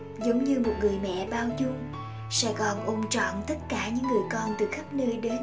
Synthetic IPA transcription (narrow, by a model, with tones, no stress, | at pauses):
zə˨˦wŋ͡mɲɨ˧mo˨˩t̚ŋɨ˨˩əjmɛ̰˧˨ɓaː˧wzʊ˧m | sɛ̰˧˥kɔ˨˩nʔo˧mt͡ɕɔ̰˧˨nt̪ə˦˥t̚kaː˧˩ɲɨ̰˧˥ŋːɨ˨˩əjkɔ˧nt̪ɨ˨˩xə˦˥p̚nəː˧jɗe˨˦